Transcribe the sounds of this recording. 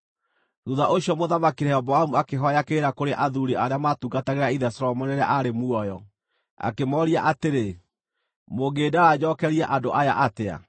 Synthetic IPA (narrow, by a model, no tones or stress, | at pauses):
ɾuðaʔoɕjɔmoðamakiɾɛɔbɔamuakeɦɔjakeɾakoɾeʔaðuɾiʔaɾeamatuɡataɣeɾaiðɛsɔɾɔmɔneɾaʔaɾemuɔjɔ | a̰kemɔɾiaʔateɾe | moɡeːdaɾad͡ʑɔkɛɾiaʔadoʔajaʔatea̰